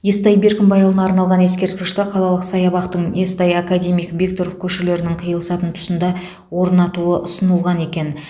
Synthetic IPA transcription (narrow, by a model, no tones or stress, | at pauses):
jest̪ɑjbe̞ɾkʲɪmbɑjɑlˠənɑːɾnɑlˠʁɑne̞skʲe̞ɾt̪̚kʲɪʃt̪ɪqʰɑlˠɑlˠəqsɑjɑbɑqt̪əɴje̞st̪ɑjakad̪ʲe̞mijkvʲikt̪o̞ɾofkʲʰɵʃele̞ɾɪnɪŋqʰəjəlˠəsɑt̪ənt̪ʰʊ̥sənd̪ɑ | wo̞ɾnɑt̪uəʔʊsənəlˠʁɑne̞kʲe̞n